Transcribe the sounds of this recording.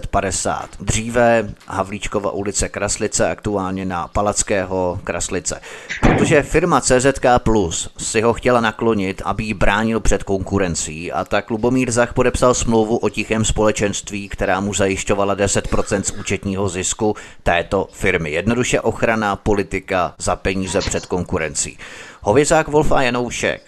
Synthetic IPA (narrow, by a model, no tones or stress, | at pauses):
t̪padɛsa̰ːt̪d̪r̝iːvɛɦavliːt͡ʃko̞va̰ʔulɪt͡sɛkɾaslɪt͡sɛakt̪uaːlɲɛnapalat͡skɛːɦo̞kɾa̰slɪt͡sɛ̰pɾot̪o̞ʒɛfɪɾmat͡sɛːzɛt̪kaplusːɪɦo̞xcɛlanaklo̞ɲɪt̪ʔa̰bɪjɪbɾaːɲɪlpr̝̥ɛt̪ko̞ŋkuɾɛnt͡siːʔa̰t̪aklubo̞miːɾzaxpo̞dɛpsalsmlo̞wvuʔo̞cɪxɛːmspo̞lɛt͡ʃɛnst̪viːkt̪ɛɾaːmuzajɪʃco̞valadɛsɛt̪pɾo̞t͡sɛnt̪suːt͡ʃɛt̪ɲiːɦo̞zɪskut̪ɛːt̪o̞fɪɾmɪjɛdno̞duʃɛʔo̞xɾanapo̞lɪt̪ɪkazapɛɲiːzɛpr̝̥ɛt̪ko̞ŋkuɾɛnt͡sḭːho̞vjɛzaːkvo̞lfajano̞wʃɛ̰k